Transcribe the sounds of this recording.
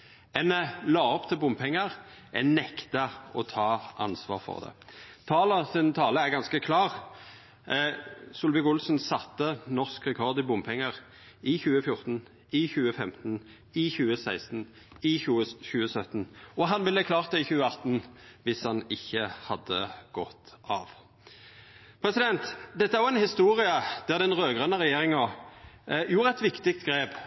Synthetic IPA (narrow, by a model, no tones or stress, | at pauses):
ɛnlɑːɔpt̪ʰɪlbʊmːpʰɛŋːəʁʔɛnɛkt̪ɑɔt̪ʰɑːʔɑ̰nsʋɑ̰ːʁfɔ̰ʁd̪ɛ̰t̪ʰɑːlɑsɪnt̪ʰɑːləæʁɡɑnskəkʰlɑːʁ | sʊlʋɪɡʊlsnsɑt̪ːənɔʁskʁɛkʰɔʁd̪ɪbʊmpʰɛŋːəʁ | ɪçʉːəfjʊʁt̪n̩ | ɪçʉːəfɛmt̪n̩ | ɪçʉːəsæɪst̪n̩ | ɪʉːəçʉːəsœt̪n̩ɔɦɑnʋɪlːəkʰlɑːʁt̪əɪçʉːəɑt̪n̩ʋɪshɑnɪçːəhɑd̪əɡ̥ɔt̪ɑ̰ːʋ | pʰɾɛsɪd̪ɛnt̪d̪ɛt̪ːəæʁɔʁɛnhɪst̪uːɾɪəd̪æʁd̪ɛnʁøːɡʁənəʁɛjeːɾɪŋɑ | juːɾəɛt̪ʋɪkt̪ɪk̚t̪ɡɾeːb